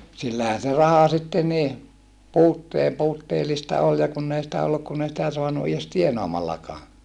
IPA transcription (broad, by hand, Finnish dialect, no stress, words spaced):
silːæhæn̞ se rɑhɑ sitːe niː puːtːeː puːtːeːlistɑ ol jɑ kunː ei sĭtæ olːuk kun ei sitæ soɑnu ies tienɑːmɑlːɑkɑː